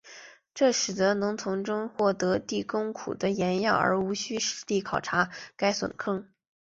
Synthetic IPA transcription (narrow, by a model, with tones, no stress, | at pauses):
ʈ͡ʂɤ˥˩ʂɻ̩˨˩d̪ə˦˥nɤ˧˥ŋt͡sʰʊ˧˥ŋʈ͡ʂʊ˥ŋxwɔ˥˩t̪ɤ˧˥t̪i˥˩kʊ˥ŋkʰṵ˨˩d̪ə˦jɛ˧˥njɑ˥˩ə̰˞˧˥u˧˥ɕy˥ʂɻ̩˧˥t̪i˥˩kʰɑ˨˩ʊʈ͡ʂʰa˧˥ka˥ɪswə̰˨˩nkʰɤ˥˩ŋ